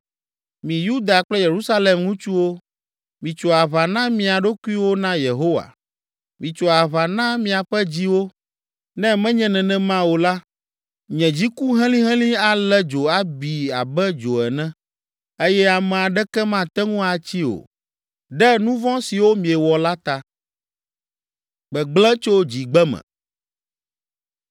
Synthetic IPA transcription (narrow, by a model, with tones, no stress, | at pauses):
mĩ˨ju˦d̪a˨k͡plɛ˦je˨ɾu˦sa˦le˨mŋũ˦t͡ʃu˦wo˦ | mĩ˨t͡ʃo˨a˨βa˨nã˦mĩ˨a˨ɖo˦ku˦i˦wo˦nã˦je˨ɦo˦wa̰˨ | mĩ˨t͡ʃɔ˨a˨βa˨nã˦mĩ˨a˨ɸɛ˦d͡ʑi˦wo˦ | nɛ̃˦mɛ̃˦ɲɛ̃˨nɛ̃˨nɛ̃˦mã˦wo˨la˦ | ɲɛ̃˨d͡ʑi˦ku˦ɦɛ̃˦lĩ˦ɦɛ̃˦lĩ˦a˨lɛ˦d͡ʒo˨a˦bi˨a˨bɛ˦d͡ʒo˨ɛ˨nɛ̃˦ | e˦jɛ˦a˨mɛ̃˨a˨ɖɛ˦kɛ˦mã˦˨t̪ɛ˦ŋũ˦a˨t͡ɕi˦o̰˨ | ɖɛ˦nũ˦vɔ̃˦si˨wo˦mĩ˨ɛ˨wɔ˨la˦t̪a˦ | ɡ͡bɛ˨ɡ͡blɛ̃˦t͡ʃo˦d͡ʑi˨ɡ͡bɛ˦mɛ̰̃˨